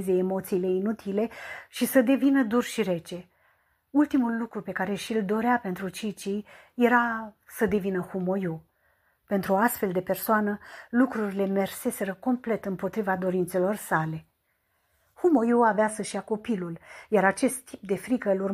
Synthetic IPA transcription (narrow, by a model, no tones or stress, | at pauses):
zeːmo̞t̪siːle̞inut̪ʰile̞ʃisəd̪e̞vinəd̪urʃiɾe̞t͡ʃe̞ | ult̪imulːukɾupe̞kaɾe̞ʃild̪o̞ɾeape̞nt̪ɾut͡ʃit͡ʃij | je̞ɾasəd̪e̞vinəhumoju | pe̞nt̪ɾuast̪fe̞ld̪e̞pe̞rsoanəlukɾuɾile̞me̞rse̞se̞ɾəko̞mple̞t̪ɨmpo̞t̪ɾivad̪o̞ɾint̪se̞lo̞rsale̞ | humojuaveasəʃijako̞piluljaɾat͡ʃe̞st̪ːip̚d̪e̞fɾikəɨlur